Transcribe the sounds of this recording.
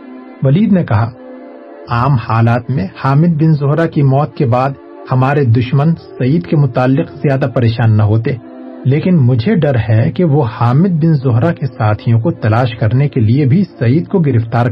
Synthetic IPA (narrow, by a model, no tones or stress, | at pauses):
ʋɐliːd̪nekɐɦa | aːmhaːlaːt̪mẽhaːmɪd̪̚bɪnzʊɦɾakimɔːt̪̚kebaːd̪ | hɐmaːɾed̪ʊʃmənsɐiːd̪kemʊt̪aːlːɪqzjaːd̪apɐɾeːʃaːnːɐɦoːt̪eː | leːkɪnmʊd͡ʒʱeɖɐɾɦɛkeʋohaːmɪd̪̚bɪnzʊɦɾakesaːt̪ʰijõkot̪ɐlaːʃkɐɾnekeliebʱisɐiːd̪koɡɪɾɪft̪aːɾ